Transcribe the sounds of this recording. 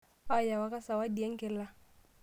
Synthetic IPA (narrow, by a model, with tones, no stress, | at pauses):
a˦ja˨wa˨ka˦sa˨wa˦di˨ɛ˦ŋ̩˦kɪ˨la˦